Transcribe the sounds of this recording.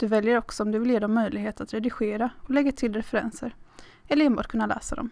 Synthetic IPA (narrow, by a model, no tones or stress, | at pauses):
d̪̥ɵvɛljəɾɔksɔɔmd̪ɵvɪljeːd̪ɔmːœjlɪɡɦeːt̪at̪ɾɛd̪ɪɧeːɾaɔlɛɡːat̪ʰɪld̪ɛɾɛfɾɛ̰nsəɾ | ɛlːəɾɛnbɑ̰ːʈ̚kʰɵnːalɛ̰ːsad̪ɔ̰m